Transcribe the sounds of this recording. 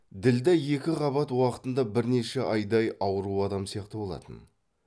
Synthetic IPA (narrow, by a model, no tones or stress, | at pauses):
d̪ɪld̪eje̞kʲɪʁɑβɑt̪wɑqə̥t̪ənd̪ɑbɪɾne̞ʃeʔɑjd̪ɑjɑwəɾuɑd̪ɑmsijɑqt̪əbo̞lˠɑ̰t̪ən